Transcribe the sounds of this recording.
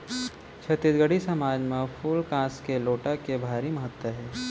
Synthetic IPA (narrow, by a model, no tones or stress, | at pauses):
t͡ʃʰɐt̪ɪt̪ɡəɽisɐmaːd͡ʒmẽfʰulkãːskeloːʈakebʱaːɾimɐɦət̪wəɦɛː